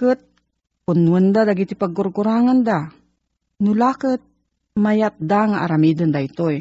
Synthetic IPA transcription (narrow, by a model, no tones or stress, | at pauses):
kət̪̚ | punwənd̪ad̪aɡit̪ipaɡurɡuɾaŋand̪a | nulakət̪̚ | majat̪̚d̪aŋaʔaɾamid̪ənd̪ait̪oj